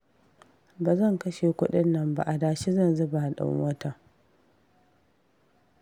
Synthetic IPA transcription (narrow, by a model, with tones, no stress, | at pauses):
baː˨zɐ˦˨ŋkɐ˦ʃe˨kʷʊ˦ɗɪ˦nːɐ˦mba̰˨ʔa˨daː˨ʃi˦zɐ˦˨nzʊ˦ba˨ha˨ɗɐ̰˨˦wɐ˦ta˨